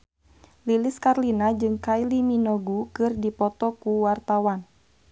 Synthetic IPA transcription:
liliskarlinad͡ʒɨŋkajliminɔɡukɨrdipɔt̪ɔkuwart̪awan

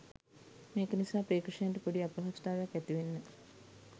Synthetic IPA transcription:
meːkənisaːpɾeːkɾəʂejanʈəpoɖiapəɦast̪aːʋejakːæt̪iʋenːə

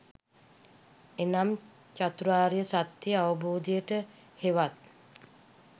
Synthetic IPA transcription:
enam | t͡ʃat̪uɾuaːɾijəsat̪jiəaʋəboːd̪ijəʈə | heʋat̪̚

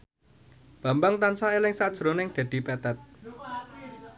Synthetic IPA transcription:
b̥a̤mbaŋt̪ansaelɪŋsad̥ʒ̥ɾonɪŋd̪̥ä̤d̪̥i̤pɛt̪ɛt̪̚

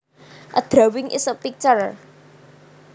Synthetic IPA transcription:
ʔəd̪̥ɾawɪŋʔḭsəpːik̚t͡ʃər

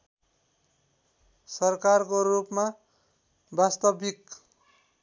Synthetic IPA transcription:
sʌrkarkorupma | bast̪ʌbik

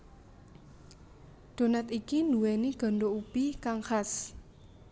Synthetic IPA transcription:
ɖ̪̥o̤nat̪ikinduwɛniɡ̥ɔ̤nɖoub̥ikaŋxas

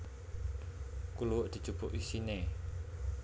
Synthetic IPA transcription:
kuluwʊʔd̪̥i̤̥d͡ʒ̥ṳb̥ʊʔisine

